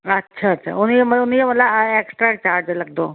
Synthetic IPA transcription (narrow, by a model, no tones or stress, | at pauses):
ətːɕʰaətːɕʰa̰unjeməunjeməlaeksʈɾak̚t͡ɕaɾd͡ʑlaɡt̪o